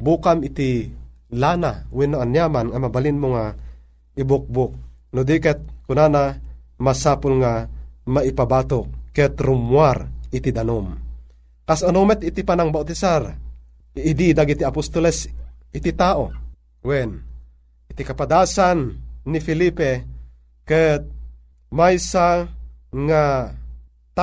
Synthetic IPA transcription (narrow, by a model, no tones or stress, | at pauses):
bukamit̪i | lanawɛnːoanjamanŋamabalinmoŋa | ibʊk̚bʊk̚nud̪ikɛt̪̚kunanamasaːpʊlŋamaipabaːt̪okkːɛt̪ɾumwarit̪id̪anom | kasonomɛt̪it̪ipanaŋbawt̪isarː | d̪id̪aɡit̪iapost̪olɛsit̪it̪aʔo | wɛn | ʔit̪ikapad̪asanːifilipe | kɛt̪̚ | majsa | ŋa | t̪